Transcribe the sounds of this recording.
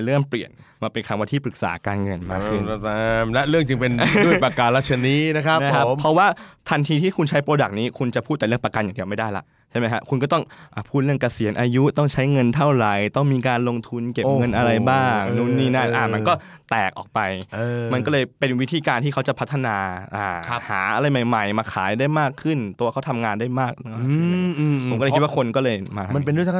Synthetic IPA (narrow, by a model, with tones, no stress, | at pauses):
lɯ˥˩əŋpli˨˩ənmaː˧˩pe˧nkʰa˧mwaː˧nt̪ʰiː˥˩pɾɯ˨˩k̚sa̰ː˩˦kaː˧nŋɤ˧nmaː˧ɯ˧˩˧mlɛ˦˥ʔɾɯ˥˩əŋt͡ɕɯ˧ŋpe˧nu˥˩pa˧ka˧nla˦˥t͡ɕʰːa˧niː˦˥na˦˥kʰɾa˦˥pa˥˩kʰa˦˥opmpʰɾɔ˦˥waː˥˩t̪ʰa˧nt̪ʰiː˧t̪ʰiː˥˩kʰu˧nt͡ɕʰa˦˥jpɾoː˧da˨˩k̚niː˦˥kʰu˧nt͡ɕa˨˩pʰuː˥˩t̪ːɛ˨lɯ˥˩əŋpɾa˧ka˧njaː˨˩di˧wma˥˩jdaː˥˩jla̰˦˥ʔ | t͡ɕʰa˥˩ma˦jkʰa˦˥kʰu˧nk̬ɔ˥˩t̪ɔ˥˩ŋʔaː˨˩pʰuː˥˩t̪̚ɾɯ˥˩əŋka˧si˨˩˦ənʔaː˧ju˦˥t̪ɔ˥˩ŋt͡ɕʰa˦˥jŋɤ˧nt̪ʰa˥˩wɾa˨˧˦jt̪ɔ˥˩ŋmiː˧kaː˧nlo˧ŋt̪ʰu˧nke˨˩˧ŋɤ˧˩˧nʔa˧ɾa˧jbaː˥˩˥ŋnuː˦˥˩nːiː˧˩na˦˥˩ʔaː˧˩ma˧kɔː˥˩ | t̪ɛː˨˩k̚ʔɔ̰ː˨˩k̚pa˧jma˧nkɔː˥˩lɤː˧jpe˧nwi˦˥t̪ʰiː˧kaː˧nt̪ʰiː˥˩a˦˥wt͡ɕa˨˩pʰa˦˥t̪ʰːa˧naː˧ʔaː˨˩˦ha̰ː˩˦ʔa˧ɾa˧jma˨˩jma˨˩jmaː˧kʰaː˩˦jdaː˥˩jmaː˥˩kʰːɯ˥˩nt̪u˧ɐkʰa˦˥wt̪ʰa˧mŋaː˧ndaː˥˩jmaː˥˩k̚ː | pʰo˨˦mk̪̚ːwa˥˩kʰo˧nkɔː˥˩lɤː˧jmaː˧t̪a˧ma˧npe˧ndu˥˨tʰa˥